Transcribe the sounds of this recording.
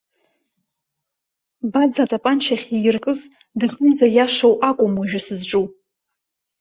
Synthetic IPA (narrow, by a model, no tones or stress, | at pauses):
bad͡zatʼapʼant͡ʃʰaχʲijɪrkʼɨz | dɨɮʲʊmd͡zajaʂowʔakʷʼʊmuʒᶣasɨzʈ͡ʂʼu